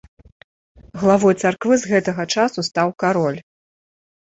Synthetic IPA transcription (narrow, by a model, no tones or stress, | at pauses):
ɣlˠavɔjt̪sarkvɨzɣɛt̪ɐɣɐt͡ʂasust̪awkaɾɔlʲ